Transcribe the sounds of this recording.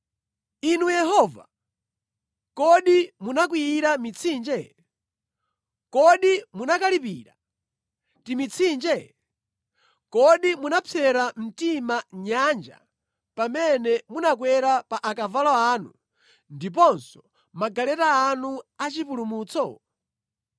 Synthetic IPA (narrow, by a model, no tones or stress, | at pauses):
inujɛɦɔva̰ | kɔɗimunak̬wiːɾamit͡sʰind͡ʒɛ | kɔɗimunakalipiːɾa̰ | timit͡sʰind͡ʒɛ | kɔɗimunapʰɛɾam̩timaɲand͡ʒa̰ | pamɛnɛmunak̬wɛɾapaʔakavalɔaːnu | ndip̬ɔnsɔ̥ | maɡalɛtaːnuat͡ʃipulumuːt͡sʰɔ